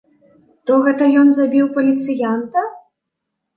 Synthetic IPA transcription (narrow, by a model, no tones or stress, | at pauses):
t̪ɔɣɛt̪ɐjɔnzabʲiwpɐlʲit̪sɨjant̪ɐ